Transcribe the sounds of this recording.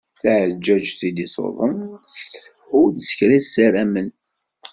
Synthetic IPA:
θʕd͡ʒːæd͡ʒθid̪isˤo̰ðˤən | ʊɾd̪sə̥çɾæsːæɾæmən

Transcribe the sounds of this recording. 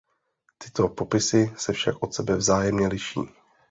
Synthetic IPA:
t̪ɪt̪o̞popɪsɪsɛfʃakʔo̞t̪sɛbɛvzaːjɛmɲɛlɪʃḭː

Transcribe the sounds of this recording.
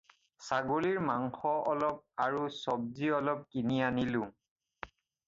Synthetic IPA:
saɡoliɹmaŋxɔʔɔlɔp̚aɹusɔb̚ziɔlɔp̚kinianilʊ̃

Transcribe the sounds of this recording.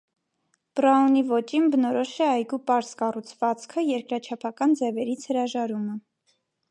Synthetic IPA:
pɾɑɔnivɔt͡ʃinbənɔɾɔʃɛɑjɡupɑɾskɑrut͡sʰvɑt͡skʰəjɛɾkɾɑt͡ʃʰɑpʰɑkɑnd͡zɛvɛɾit͡sʰhəɾɑʒɑɾumə

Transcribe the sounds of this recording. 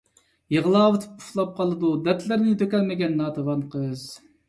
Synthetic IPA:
jəʁəlˠɑːwɨt̪ʰɨ̥p̚ʰu̥χlˠɑp̚qʰɑlˠɨd̪ud̪ɛt̪ʰlɪɾnɪt̪ʰøkʲɛlmɪɡʲɛnːɑːt̪ʰɑvɑnqʰəz̥

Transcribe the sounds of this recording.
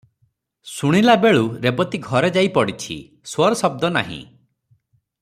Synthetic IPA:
suɽ̃ilabeɭuɾebɔt̪iɡʱɔɾed͡ʒajpɔɽit͡ʃʰḭ | swɔɾɔsɔb̚d̪ɔna̰ɦḭ̃

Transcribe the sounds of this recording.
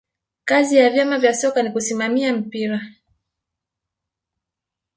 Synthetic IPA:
kazijavjamavjasɔkanikusimamiam̩piɾa

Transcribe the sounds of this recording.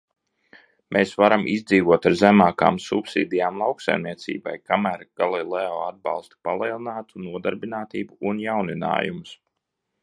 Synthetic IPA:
mʔeːsvaɾamʔizd̪ziːvuɔt̪aɾzæmaːka̰ːmsṵpsḭːd̪ʲijaːmlˠawksa̰jmniɛt̪sḭːba̰jkamæːɾɡ̥alˠilˠɛɔːad̪̚bɑ̰lˠst̪u̥palˠiɛlˠinaːt̪unuɔd̪aɾbinaːt̪iːbuunjawnina̰ːjumus

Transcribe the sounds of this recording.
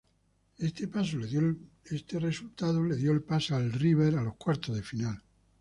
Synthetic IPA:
est̪epaso | est̪e̞re̞sult̪aðole̞ðjoelpasalriβ̞eɾalo̞hkwaɾt̪ozðe̞final

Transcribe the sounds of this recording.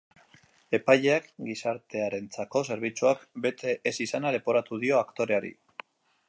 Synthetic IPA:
e̞pajʎe̞akɡisaɾt̪e̞aɾe̞nt͡sako̞s̬e̞ɾβ̞it͡suakbe̞t̪ʰe̞ʔːsisanaðe̞po̞ɾat̪uðio̞akt̪o̞ɾe̞aɾḭ

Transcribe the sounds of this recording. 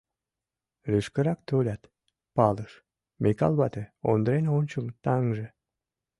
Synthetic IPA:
ryʃkəɾɑkt̪olʲɑt̪ | pɑləʃ | mekɑ̰lβɑt̪eo̰nd̪əɾenonʲt͡ɕəmt̪ɑŋʒe

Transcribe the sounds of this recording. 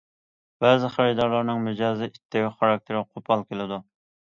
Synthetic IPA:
b̥ɛzɪχæɾɪd̪ɑɾlˠɑɾnɨŋmyd͡ʒɑːzɪʔit̪ʰːɪwɪχɑɾɑk̚t̪ʰeɾɪqʰopʰɑlˠkʲelˠɪd̪u

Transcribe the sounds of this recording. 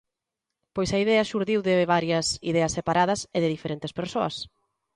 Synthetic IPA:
pojsɐiðɛɐʃuɾðiwðɪβaɾjɐsḭðɛɐsepaɾað̞ɐseðɪðifeɾent̪espeɾsoɐ̰s

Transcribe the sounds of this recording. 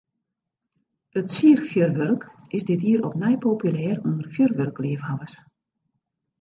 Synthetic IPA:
ətsiərfjørʋørkɪsdɪtiəɾɔpnɛjpʰoːpjylɛːrundərfjørʋørkliəfhaʋəs

